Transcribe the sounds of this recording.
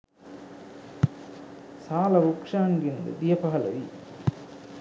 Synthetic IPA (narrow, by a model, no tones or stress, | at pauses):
saːlɐɾukʂaːŋɡind̪ɨ̰d̪ijɐpɐɐlɐ̰ʋi